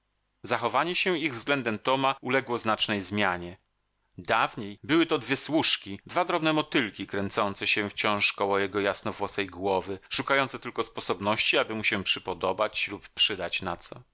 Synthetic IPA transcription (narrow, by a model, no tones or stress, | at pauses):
zaxɔvaɲɛɕɛiɣvzɡlɛnd̪ɛmt̪ɔmaulɛɡwɔznat͡ʂnɛjzmʲjaɲɛ | d̪avɲejbɘwɘt̪ɔd̪vʲjɛswuʂkʲid̪vad̪ɾɔbnɛmɔt̪ɘlkʲikɾɛnt̪sɔnt̪sɛɕɛft͡ɕɔ̃w̃ʂkɔwɔjɛɡɔjasnɔvwɔsɛjɡwɔvɘʂukajɔnt̪sɛt̪ɘlkɔspɔsɔbnɔɕt͡ɕiabɘmuɕɛpʂɘpɔd̪ɔbat͡ɕlupːʂɘd̪at͡ɕnat̪sɔ